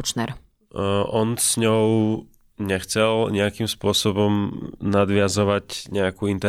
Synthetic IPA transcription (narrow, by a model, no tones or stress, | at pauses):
t͡ʃnɛ̰ɾ | ʔɔnz̥ɲɔʊ | ɲɛxt͡sɛlɲɛakimspʊɔsɔbɔmnad̪ʋɪazɔʋacɲɛakuːint̪ɛ